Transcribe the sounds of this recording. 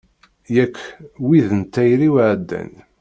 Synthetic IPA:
jækːwiðənt̪ːæjɾiwʕd̪ːæ̰n

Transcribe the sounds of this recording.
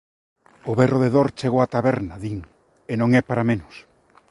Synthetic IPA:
ʊβɛroðeðoɾt͡ʃeɣowat̪aβɛɾnaðiŋ | enõŋɛpaɾamẽnʊs

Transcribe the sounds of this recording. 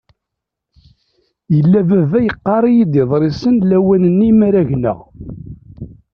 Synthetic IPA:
jəlːævævæjəqːɑɾˤijid̪ɪðˤɾˤɪsənlæwænənːimæɾæʝnə̰ʁ

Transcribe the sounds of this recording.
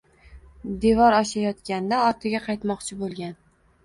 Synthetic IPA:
d̪e̞vɒɾɒʃajɒt̪kʲand̪aɒɾt̪ʰɪɡʲaqʰɑjt̪mɒqt͡ʃʰɪbolˠɡʲan

